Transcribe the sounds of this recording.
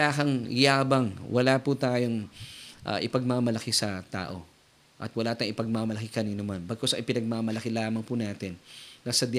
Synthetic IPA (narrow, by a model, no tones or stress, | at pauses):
aːkɐŋɪjaːbɐŋwʔɐlaːput̪aːjo̞ŋʔa̰ʔɪpɐɡ̚mamɐlɐkɪsɐt̪a̰ːʔo̞ | ʔɐ̰t̪wɐlaːt̪ɐŋʔɪpɐɡ̚mamɐlɐkɪkɐniːnomanbɐɡ̚kosɐ̰ŋʔɪpɪnɐɡ̚mamɐlɐkɪlaːmɐŋpunaːt̪ɪnːɐsɐd̪